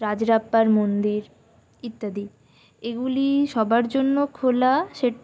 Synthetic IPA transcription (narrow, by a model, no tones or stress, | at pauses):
ɾad͡ʑɾapːaɾmond̪iɾ | it̪ːad̪i | eɡuliʃɔbaɾd͡ʑonːokʰolaʃeʈ